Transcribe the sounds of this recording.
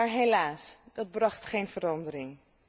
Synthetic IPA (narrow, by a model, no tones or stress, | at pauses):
aːɹɦelaːsd̥ɑd̚brɑχtχejnvəɾɑndəɾɪŋ